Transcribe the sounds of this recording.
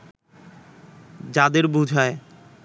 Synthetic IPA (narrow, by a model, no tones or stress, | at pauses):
d͡ʑad̪eɾbud͡ʑʱɦɔe